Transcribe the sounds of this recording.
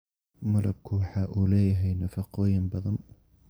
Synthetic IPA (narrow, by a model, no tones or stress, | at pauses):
mɐlʔɐb̚kʰʊwɑħɑːʔuːlɛːjɐɦɛjnɐfɑqɔːjɪmbɐðɐn